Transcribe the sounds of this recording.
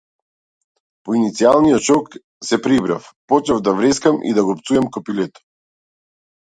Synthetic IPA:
pɔinit̪sialˠnijɔt̪t͡ʃɔk | sɛpɾibɾafpɔt͡ʃavd̪avɾɛskamʔḭd̪aɡɔpt̪suɛmkɔpilɛt̪ɔ̥

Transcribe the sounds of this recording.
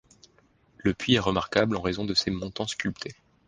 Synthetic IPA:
ləpɥiɛʁəmaʁkablɑ̃ʁezɔ̃d̪əsemɔ̃t̪ɑ̃skʲylpt̪ʰe

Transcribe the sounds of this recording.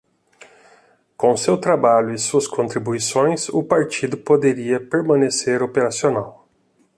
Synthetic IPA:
kõsewt̪ɾabalʎʊɪsuɐskʰõnt̪ɾibuisõj̃sʊpaɾt͡ʃid̪ʊpod̪eɾiɐpeɾmɐ̃neseɾopeɾasionaw

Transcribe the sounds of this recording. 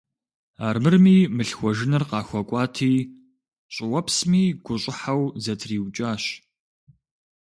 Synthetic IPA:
aːrmɨrmiːmɨɬxʷɔʒɪnɐrqɑːxʷɐkʷʼɑːtʰiː | ɕʼɪwɐpsmiːɡ̥ʷʊɕʼɪħawzɐtʰriːwt͡ʃʼaːɕ

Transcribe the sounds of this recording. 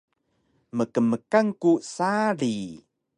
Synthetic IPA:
məkəməkaŋkusaɾi

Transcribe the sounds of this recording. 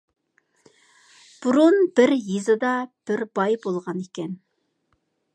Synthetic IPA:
b̥uɾunbɪɾjizɨd̪ɑb̥ɪɾb̥ɑjbolˠʁɑnekʲɛn

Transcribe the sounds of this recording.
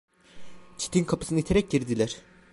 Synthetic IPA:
t͡ʃʰi̥t̪ʰinkʰapʰɯ̥sɯnɯit̪ʰeɾɛc̚ɟiɾd̪ilʲæɾ̥

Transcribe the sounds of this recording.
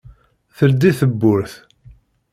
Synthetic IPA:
θəld̪iθəbːʊɾθ

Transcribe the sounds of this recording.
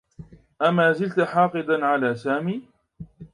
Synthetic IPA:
ʔamaːzɪlt̪ħɑːqɨd̪anʕalaːsaːmiː

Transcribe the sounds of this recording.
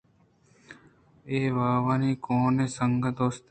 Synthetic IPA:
eːʋaːʋaːniːkoːneːsəŋɡət̪oːst̪

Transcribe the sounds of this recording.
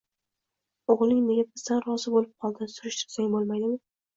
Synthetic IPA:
oʁlˠɪŋne̞ɡʲabɪzd̪anɾɒzɪbolɪp̚qʰɒlˠd̪ɪsʊɾɪʃt̪ʰɪ̥ɾsaŋʲbolˠmajd̪ɪmɪ

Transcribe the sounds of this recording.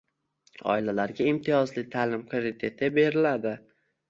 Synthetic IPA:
ɒ̰ɪlalaɾɡʲaɪmt̪ʰɪjɒzlɪt̪ʰaːlɪmkʰomɪt̪ʰe̞t̪ʰɪbe̞ɾɪlad̪ɪ

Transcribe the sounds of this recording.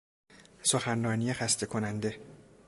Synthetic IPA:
so̞xænrɒːnijexæst̪e̞kʰo̞nænd̪e̞

